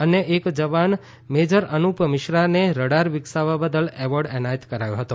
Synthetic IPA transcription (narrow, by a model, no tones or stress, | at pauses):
əneʔekd͡ʒəʋan | med͡ʒəɾənupmɪʃɾaneɾəɽaɾʋɪksaʋabəd̪əlɛʋəɾɖɛnajət̪kəɾajoɦət̪o